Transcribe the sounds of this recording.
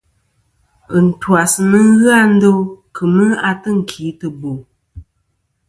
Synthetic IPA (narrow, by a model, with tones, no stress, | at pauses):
ɨ˨n̩˨twa˨sɨ˨nɨ˦ɣɨ˦a˦n̩˦do˦kʰɨ˨mɨ˦a˨tɨ˦ŋ̩˨kʰi˨˦tɨ˨bo˨